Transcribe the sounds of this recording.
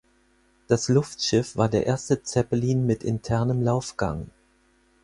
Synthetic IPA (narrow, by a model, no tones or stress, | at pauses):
d̥aslʊftʃɪfv̥aːɐdeːɐʔeːɐstət͡sɛpəliːnmɪtʔɪntʰɛɐnəmlaʊfɡ̥a̰ŋ